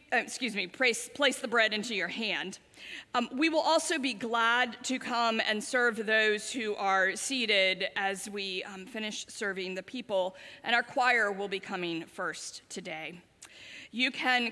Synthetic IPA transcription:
skjʉzmipʰɹ̥eɪspʰl̥eɪsðəbɹɛɾɪ̃ntʉjə˞æ̃nd̥ | wiwəlˠʔɔlˠsoʊbiɡlæd̚tʰɨkʰʌ̃mɨ̰̃nsɜ˞vðoʊz̥hʉʔə˞siɾɪɾɨzwifɪ̃ñɨʃsɜ˞vɪ̃ŋðɨpʰipl̩ˠʔɨ̰̃ñaʊə˞kʰw̥aɪə˞wɪlˠbikʰʌmɪ̃ŋfɜ˞sttʰɨdeɪ | jɨkʰɨ̃n

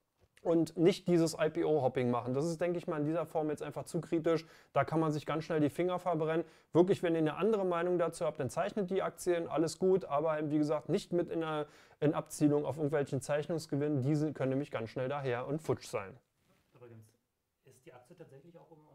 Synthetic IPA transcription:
ʔʊntnɪçt̚d̥iːzəsʔaɪpiʔoːhɔpɪŋmaχn̩dasɪst̚d̥ɛŋkəɪçmaːɐlɪndiːzɐfɔɐmjɛt͡stʔaɪnfaχt͡suːkʁ̥iːt̬ɪʃ | d̥aːkʰanmanzɪçɡ̥ansʃnɛldiːfɪŋɐfɛɐbʁɛnən | v̥ɪɐklɪçv̥ɛniːɐnəʔandəʁəmaɪnʊŋdat͡suːhaːp̚td̥ant͡saɪçnət̚d̥iːʔak̚t͡sjənʔa̰ləsɡ̥uːtʔaːbɐaɪmviːɡəzaːk̚tnɪçtmɪtɪnɐ | ʔɪnʔap̚t͡siːlʊŋa̰ʊfɪɐɡŋ̩tvɛlçn̩t͡saɪçnʊŋsɡ̥əvɪnəndiːzkʰœnənɛːmɪçɡ̥ansʃnɛldaːɦeːɐʔʊntfʊt͡ʃz̥a̰ɪn | ybɡn | ɪstd̥iːak̚t͡sjətʰaːtɛçlɪçaʊɪm

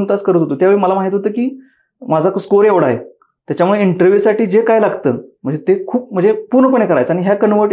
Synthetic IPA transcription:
nt̪askəɾət̪ɦot̪ot̪jaʋeɭeməlamaɦit̪ɦot̪əːkiː | mad͡zʱakskoɾeʋɽaɦḛ | t̪jat͡ɕamuɭeiɳʈəɾʋjusaʈiːd͡ʑekajlaɡt̪ə̰ːm̤ə̃ɳd͡zet̪ekʰuːp̚m̤ə̃ɳd͡zepuɾɳəpəɳ̃ekəɾajt͡saɽiɦjakənʋəʈ

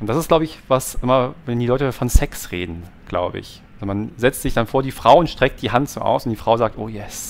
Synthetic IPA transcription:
ʔʊntd̥asɪstɡ̥laʊbəɪçvasʔɪmɐvɛndiːlɔʏtəfɔnsɛksʁḛːdn̩ɡ̥la̰ʊbə̰ɪ̰ç | azomanzɛt͡stz̥ɪçd̥anfoːɐdiːfʁ̥aʊʊntʃtʁ̥ɛk̚t̚d̥iːɦantz̥oːʔa̰ʊsʊntd̥iːfʁ̥aʊzaːk̚tʔoːjɛs

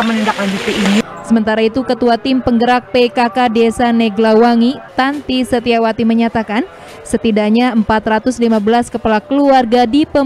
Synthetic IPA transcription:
mənindaklaɲd͡ʒut̪iːnisəmənt̪aɾait̪ukət̪uat̪ɪmpəŋɡəɾak̚pekakadesanɛɡlawaŋit̪ant̪isət̪iawat̪iməɲat̪akan | sət̪idaɲaəmpat̪rat̪ʊslimabəlaskəpalakəluarɡadipə

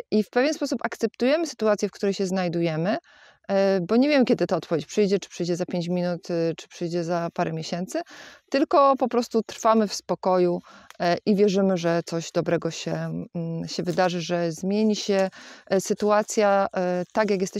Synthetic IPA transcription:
ʔifpɛvjɛnspɔsupakt̪sɛp̚t̪ujɛmɘsɘ̥t̪uat̪sʲjɛfkt̪uɾɛjɕɛznajd̪ujɛmɘ | bɔɲevʲjɛmɘkʲɛd̪ɘt̪aɔt̪pɔvjet͡ɕpʂɘjd͡ʑɛt͡ʂɘ̥pʂɘjd͡ʑɛzapʲeɲd͡ʑmʲinut̪t͡ʂɘ̥pʂɘjd͡ʑɛzapaɾɛmʲjeɕɛnt̪sɘt̪ɘlkɔpɔpɾɔst̪ut̪ɾfamɘfspɔkɔjuʔivʲjɛʐɘmɘʐɛt̪sɔʑd̪ɔbɾɛɡɔɕɛ | ɕɛvɘd̪aʐɘʐɛzmʲjeɲiɕɛsɘt̪uat̪sʲjat̪akjakjɛst̪ɛ

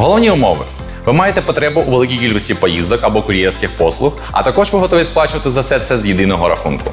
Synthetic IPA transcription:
ɦɔlˠɔʋnʲiʊmɔʋɪ̰ | ʋɪmɑjet̪ɛpɔt̪ɾɛbʊʔːʋelˠɪkʲijkʲilʲkʊsʲtʲipɔjizd̪ɔkɐbɔkʊɾʲijɛwsʲkɪxpɔslˠʊx | ɐ̰t̪ɐkɔʒʋɪɦɔt̪ɔʋʲisplˠɑt͡ʃɪʋɐt̪ɪzɐsɛt̪sɛzjid̪ɪnɔɦɔɾɐxunkʊ̰

